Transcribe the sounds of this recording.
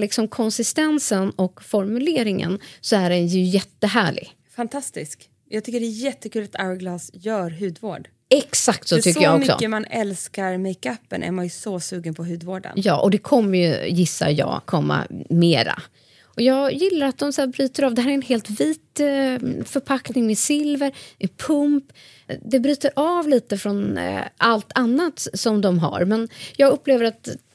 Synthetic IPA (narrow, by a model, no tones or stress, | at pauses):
lɪksɔmkʰɔnsɪst̪ɛnsənɔkfɔɾmɵleːɾɪŋə̰nsɔæɖɛnjɵɵjɛt̪ːəɦæːɭɪ̰ɡ | fant̪ʰast̪ɪsk | jɑːɡ̚t̪ʏkːəɖɛːjɛt̪ːəkʰʉːlat̪ʰaʊəɡlɑːsjœːɾɦʉ̟ːd̪vo̰ːɖ | ɛksak̚t̪sɔt̪ʰʏkəjaɔmʏksɔ̰əmanɛlskaɾmɛɪkapːə̰nʔæ̰ɾmanjɵsɔsʉ̟ːɡənpʰɔɦʉ̟ːd̪voːɖə̰njɑːʔɔd̪ɛkʰɔmːəɾjɵ̰jɪsːa̰ɾjɑ̰ːɡkʰɔmːa̰meːɾa̰ | ʔɔjɑːɡjɪlːaɾat̪̚d̪ɔmsaːbɾyːt̪əɾɑːvd̪ɛhæːɾæɾɛnɦeːlt̪viːt̪ | fœɾpʰaknɪŋmɛsɪlvəɾɛpʰɵmp | d̪ɛbɾyːt̪əɾʔɑːvliːt̪əfɾɔnalt̪ʰanːat̪sɔmd̪ɔmɦa̰ɾmɛnjɑːɡɵpːleːvəɾat̪